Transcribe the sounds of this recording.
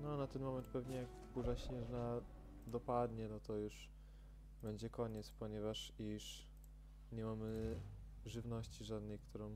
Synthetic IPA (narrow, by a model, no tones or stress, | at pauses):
nɔnat̪ɛnmɔmɛnt̪̚pɛvɲɛjak | buʐaɕɲɛʐna | d̪ɔpad̪ɲɛnɔt̪ɔjuʂ | bɛɲd͡ʑɛkɔɲɛt̪spɔɲɛvaʂiʂ | ɲɛmamɘ | ʐɘvnɔɕt͡ɕiʐad̪nɛjkt̪uɾɔ̃w̃